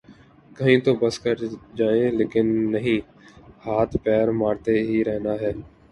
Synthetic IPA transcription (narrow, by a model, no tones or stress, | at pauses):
kəɦĩːt̪oːbəskəɾd͡ʒaːẽːleːkɪnːəɦĩː | haːt̪ʰpɛːɾmaːɾt̪eɦiːɾɛɦnaːɦɛː